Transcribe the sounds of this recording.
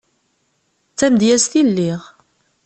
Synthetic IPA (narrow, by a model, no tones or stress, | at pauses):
t͡sːæmd̪jæst̪ilːiʁ